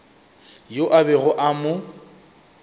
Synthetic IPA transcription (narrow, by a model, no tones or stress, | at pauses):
joʔabɛɣʊʔamʊ